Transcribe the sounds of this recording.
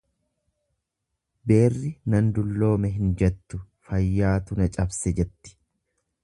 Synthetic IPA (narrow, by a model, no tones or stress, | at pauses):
be̞ːrːɪnɐnd̪ʊlːo̞ːmɛɦɪnd͡ʒɛt̪ːʊ | fɐjːaːt̪ʊnɐt͡ʃʼɐbsɛd͡ʒɛt̪ːɪ̥